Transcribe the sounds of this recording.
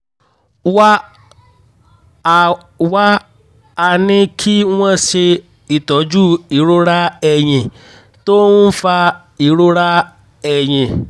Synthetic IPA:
wa˦˨ | wa˦ | a˨nɪ̃˦kʰi˦ŋw̃ɛ̃˦sɪ˧ | i˨tɔ˨˦d͡ʒu˦i˨ɾo˦ɾa˦ɛ˨ɲɪ̃˨ | to˦ŋ̩̃˦fa˧ | i˨ɾo˦ɾa˦ | ɛ˨ɲɪ̃˨

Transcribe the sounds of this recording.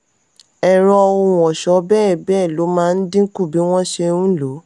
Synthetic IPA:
ɛ˨ɾɔ˧o˧˨w̃ɔ̃˨ʃɔ˨˦bɛ˦˨bɛ˦˨lo˨˦mãː˦˧n̩˦dĩ˦ku˦˨bi˨˦w̃ɔ̃˦ʃe˧ũ˦lo˨˦

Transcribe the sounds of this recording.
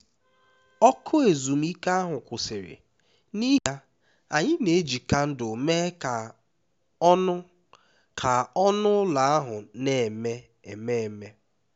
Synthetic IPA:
ɔ˦kʰʊ˦e˨zu˨m̩˦i˦ka˦a˦ɦʊ˨kʷʊ˨sɪ˨ɾɪ̰˨ | ni˦ɦa˦ | a̰˨ɲɪ˦ne˨˦d͡ʒi˨ka˦n̩˦dʊ˨me˦ka˨˦ | ʊ˦ | kʰa˨ɔ˦nʊ˦la˨a˦ɦʊ˨ne˨me˦ | e˨me˦˨me˦

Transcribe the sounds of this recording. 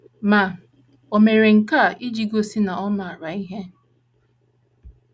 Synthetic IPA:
ma˨ | o˨me˨ɾe˨ŋ̩˨ka˦˨ʔi˦d͡ʒi˨ɡo˦si˦na˨ɔ˦na˨a˨ɾa˨i˦ɦe˦

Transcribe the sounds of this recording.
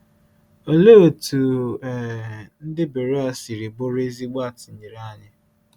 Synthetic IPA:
o˨lo˦˨tu˨ɛ˨n̩˦dɪ˦be˨ɾe˦a˨si˨ɾi˨bo˦ɾe˦zi˦ɡ͡ba˦˨tɪ˨ɲi˨ɾa˦ɲɪ˦

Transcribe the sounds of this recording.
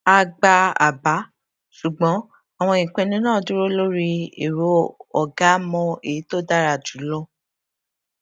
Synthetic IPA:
a˧ɡ͡ba˧a̰˨ba˨˦ | su˨ɡ͡bɔ̃˨˦ | a˨w̃ɔ̃˧ĩ˨k͡pɛ̃˧nĩ˦nãː˦˨˧du˦ɾo˦lo˦ɾi˧ḛ˨ɾo˨˦ɔ˨ɡa˨˦mɔ̃˧e˨i˨˦to˦da˦ɾa˧˨d͡ʒu˨˦lɔ˦

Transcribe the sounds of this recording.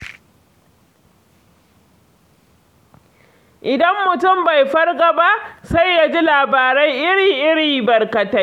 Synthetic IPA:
ʔɪ˨dɐ˦mːʊ˨tʊ˦˨mba˨jɸɐ˦rɡɐ˨ba˦ʔsa˦jːa˦d͡ʒi˦laː˨baː˨ɾa˦jʔɪ˦ɾiː˨ŋʔɪ˦ɽiː˨bɐ˨rkɐ˨ta˦

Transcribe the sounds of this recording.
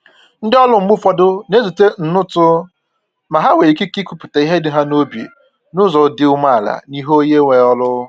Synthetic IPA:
n̩˦dɪ˦ɔ˦lʊ˦m̩˦u˦fɔ˦dʊ˦ne˦zu˨te˦n̩˨nʊ˦tʊ˦ | ma˨ɦa˦we˨i˨ki˦ki˦kʷu˦pʊ˨ta˨i˦ɦe˦dɪ˦ɦa˦no˦bjḛ˨ | nʊ˦zɔ˨dɪ˦ʊ˦ma˦˨la̰˨ni˦ɦo˦je˦ŋʷe˨ɔ˦lʊ˦

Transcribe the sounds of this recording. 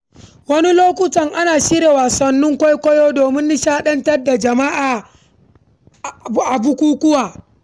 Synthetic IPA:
wɐ˦ni˦loː˦kʷʊ˦tɐ˨ŋʔa˦naː˨ʃiː˦ɾeː˨waː˨sɐ˨nːʊ˦ŋkʷa˦jkʷɔ˦joː˦doː˨mɪ˦nːɪ˦ʃaː˦ɗɐ˦ntɐ˦rda˨d͡ʒɐ˨ma˦ʔaː˨˦ | ʔa˨bu˦kʷuː˦kʷʊ˦waː˨

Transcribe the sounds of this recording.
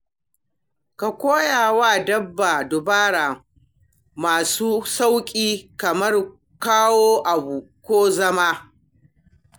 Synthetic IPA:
ka˨kʷoː˦jaː˨waː˦˨dɐ˦bːaː˨dʊ˨baː˦ɽaː˨ | maː˨suː˦sa˦wkʲʼiː˦kɐ˨mɐ˦r | kaː˦woː˦ʔa˨bu˨kʷoː˦zɐ˦ma˦

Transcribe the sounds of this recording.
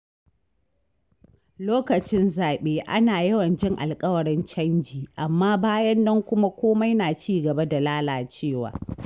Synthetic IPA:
loː˦kɐ˨t͡ʃɪ˦nzaː˨ɓeː˦ʔa˦naː˨jɐ˦wɐ˨nd͡ʒɪ˦ŋʔa̰˨lkʼɐ˦wɐ˨ɽɪ˦nt͡ʃɐ˦nd͡ʒiː˨ʔa˨mːaː˦baː˦jɐ˦nːɐ˦ŋkʷʊ˦ma˦kʷoː˦ma˦jnaː˨t͡ʃiː˦ɡɐ˨ba˦da˨laː˦laː˨t͡ʃeː˦˨wa̰ː˨

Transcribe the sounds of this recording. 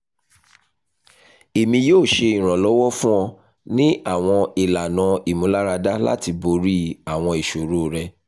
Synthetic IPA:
e˨mĩ˧joː˦˨ʃe˧ĩ˨ɾ̃ã˨lɔ˨˦wɔ˦fũ˦ɔ̃˧ | nĩ˦a˦˨w̃ɔ̃˧i˨la˨nã˨˦i˨mũ˨˦la˦ɾa˧da˦la̰˦ti˧bo˧˦ɾi˦a˨w̃ɔ̃˧i˨ʃo˨ɾo˦˨ɾɛ˧

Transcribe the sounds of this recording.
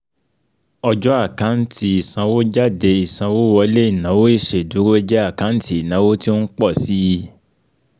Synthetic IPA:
ɔ˧d͡ʒɔ˦a˦˨kã˨˦n̩˦tʰi˦i˨sã˧wo˦d͡ʒa˦˨de˧i˨sã˧wo˦wɔ˧˦le˦i˦˨nã˨˦wo˦i˦˨ʃe˨du˨˦ɾo˦ɛ˧d͡ʒɛ˦a˦˨kã˨˦n̩˦ti˦i˨nã˨˦wo˦ti˦o˦n̩˦k͡pɔ˦˨si˦ji˧

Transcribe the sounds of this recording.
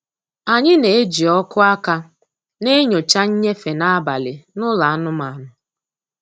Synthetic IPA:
a˨ɲɪ˦ne˨e˦d͡ʒi˨ɔ˦kʊ˦a˦ka˦ | ne˦ɲo˨t͡ʃa˦ɲ̩˦ɲe˦fe˨na˦a˦ba˨lɪ˨nʊ˦la˨a˦nʊ˦ma˨nʊ˨

